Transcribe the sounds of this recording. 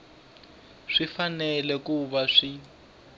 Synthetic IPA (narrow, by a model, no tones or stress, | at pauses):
ʂifanɛlɛkuβaʂi